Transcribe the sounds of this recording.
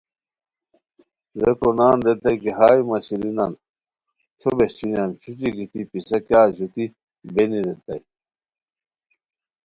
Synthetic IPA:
ɾekonaːnɾet̪ɐjkiɦaːimɐɕiɾinan | t͡ɕʰobeɕinanɕiʈ͡ʂiɡit̪ipisɐkjaːɕut̪i | beniɾet̪ɐj

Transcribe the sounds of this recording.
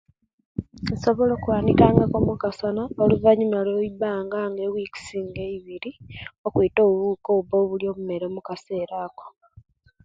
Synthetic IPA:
nso̞βoloːkuwaːnitaːŋɡakomukasanaoluvaɲumaloibaːŋɡaŋɡewiki̥siːŋɡeiβiɾiokwito̞ːβuβukoːβuboːβuljo̞ːβume̞ɾemukase̞ːɾaːko̥

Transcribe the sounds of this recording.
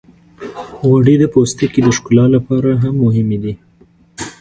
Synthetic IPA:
ɣaɽid̪əpost̪əkid̪əʃkulɑlapɑɾaɦamːʊɦɪmed̪i

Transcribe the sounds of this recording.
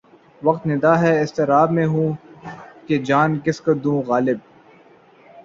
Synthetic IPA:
ʋɐq̚t̪nɪd̪aːɦɛɪst̪eɾaːbmẽɦũː | ked͡ʒaːnkɪskod̪ũːɣaːlɪb̚

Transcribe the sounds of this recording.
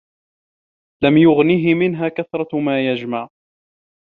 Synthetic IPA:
lamjʊɣniɦɪmɪnɦaːkaθɾˤɑmaːjad͡ʒmaʕ

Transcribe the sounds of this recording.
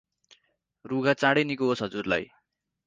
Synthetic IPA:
ruɡat͡sãɽʌjnikuɦosɦʌd͡zurla̰j

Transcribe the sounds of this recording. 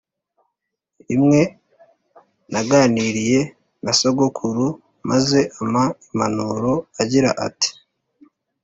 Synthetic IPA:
imŋe̞ | naɡaːniːɾije̞ | nasoɡokʰuɾu | maze̞ʔamaimanuɾo̞aɟiɾa̰ʔa̰ti̥

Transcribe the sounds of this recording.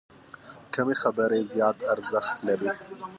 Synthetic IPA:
kʰɐmexɐbɐɾezijɑːt̪ʰɐɾzaxt̪lɐbeː

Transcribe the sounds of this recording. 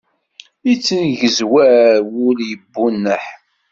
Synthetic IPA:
it͡sːənʝəzwæwʊljəbːunːəħ

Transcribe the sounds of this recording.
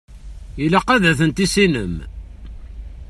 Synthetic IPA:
jilæqːæðæθənt̪isinə̰m

